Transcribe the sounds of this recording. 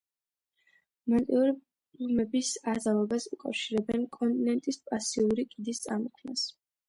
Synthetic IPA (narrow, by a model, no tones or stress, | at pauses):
mant̪ʼiuɾi | umɛbisazalɛbasukʼa̰fʃiɾɛbɛnkʼɔnt̪ʼinɛnt̪ʼispʼasiuɾikʼid̪ist̪sʼamɔkʰnas